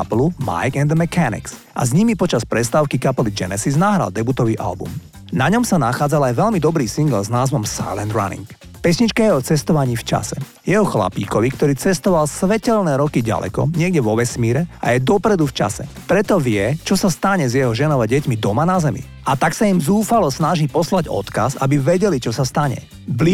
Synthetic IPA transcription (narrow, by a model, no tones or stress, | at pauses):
pluma̰jɡɛnd̪mɛkʰanḭks | ʔa̰zɲimipɔt͡ʃaspɾɛst̪aːʊkikapɛlid͡ʒɛ̰nɛsiznaɦɾa̰ld̪ɛbut̪ɔʋiʔa̰lbṵm | naɲɔmsanaxaːd͡zalajʋɛlmid̪ɔbɾiːsiŋɡlznaːzʋɔmsa̰jlɛnd̪ɾa̰nḭŋk | pɛsɲit͡ʃkajɛɔt͡sɛst̪ɔʋaɲiːft͡ʃa̰sɛ | jɛɦɔxla̰pḭːkɔʋikt̪ɔɾiːt͡sɛst̪ɔʋalsʋɛcɛlnɛːɾɔkiɟa̰lɛ̰kɔ̰ɲɪɛɡɟɛʋɔʋɛsmiːɾɛa̰jɛd̪ɔpɾɛd̪uft͡ʃa̰sɛ̰pɾɛt̪ɔʋɪɛt͡ʃɔsast̪aɲɛzjɛɦɔʒɛnɔʋaɟɛcmid̪ɔmanazɛmḭ | at̪aksaimzuːfalɔsnaʒiːpɔslaɟɔ̰t̪ka̰za̰biʋɛɟɛlit͡ʃɔsast̪aɲɛ̰ | bli